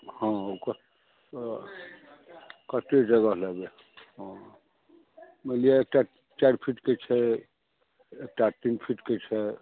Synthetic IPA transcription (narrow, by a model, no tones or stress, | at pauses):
hãokə | kət̪eʈeɡəɦlɛbe | ɦɔ̃ | məlieek̚ʈa | t͡ʃaɾpʰiʈket͡ʃʰɛ | ek̚ʈaʈinpʰiʈket͡ʃʰɛ